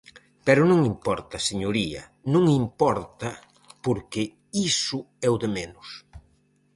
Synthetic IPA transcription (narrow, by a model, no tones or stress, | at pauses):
pɛɾʊnõŋimpɔɾt̪ɐseɲoɾiɐ̰ | nõŋimpɔɾt̪ɐ | poɾkɪ | isʊ | ɛwðemenʊs